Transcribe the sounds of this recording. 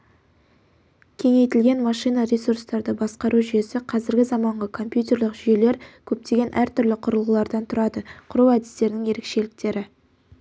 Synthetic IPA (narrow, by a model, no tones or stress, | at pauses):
kʲʰe̞ŋe̞jt̪ɪlɡʲe̞nmɑʃijnɑɾʲesuɾst̪ɑɾd̪əbɑsqɑɾʔuʒʏje̞sɪqʰɑzɪɾɡʲɪzɑmɑɴʁəkʰo̞mpjut̪ʲe̞ɾlɪqʒʏje̞le̞ɾkʲʰɵp̚t̪e̞ɡʲe̞nʔæɾt̪ʰʏɾlɪqʰʊɾəlˠʁəlˠɑɾd̪ɑnt̪ʰʊɾɑd̪əqʰʊɾuwæd̪ɪst̪e̞ɾɪnɪŋje̞ɾe̞kʃe̞lɪk̚t̪e̞ɾɪ